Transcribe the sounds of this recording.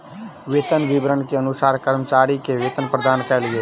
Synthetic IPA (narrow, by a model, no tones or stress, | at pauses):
ʋeːt̪ənʋibɾənkeənʊsaːɾkəɾmət͡ʃaːɾikeʋeːt̪ənpɾəd̪aːnkɛːlɡeː